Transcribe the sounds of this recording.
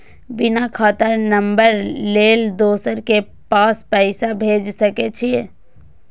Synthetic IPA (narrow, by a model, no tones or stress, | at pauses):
bɪnakʰaːt̪əɾnɐ̃mbəɾleːld̪oːsəɾke | paːspɛɪsabʱeːd͡ʒsɐket͡ʃʰi